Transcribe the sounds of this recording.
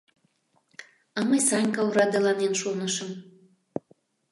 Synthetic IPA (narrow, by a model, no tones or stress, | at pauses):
ɑməjsɑnʲkɑuɾɑd̪elɑnenʃonəʃə̆m